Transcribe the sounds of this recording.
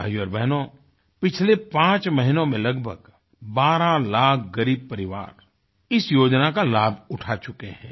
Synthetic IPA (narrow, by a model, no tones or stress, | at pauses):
bʱa̰ːjuɔːɾbɛɦnõ | pɪt͡ʃʰlepãːt͡ʃməɦɪnõmẽlɐɡbʱə̰ɡ | baːɾãlaːk̚ʰɡɐɾiːb̚pɐɾɪʋa̰ːɾ | ɪsjoːd͡ʒnakalaːbʱʊʈʰat͡ʃʊkeɦɛ̃ː